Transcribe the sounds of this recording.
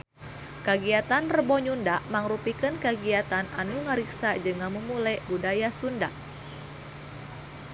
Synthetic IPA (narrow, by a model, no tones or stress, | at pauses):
kaɡiat̪anrəbɔɲundaʔmaŋɾupikənkaɡiat̪ana̰nuŋəɾiksad͡ʒɨŋamumulɛbudajasundaʔ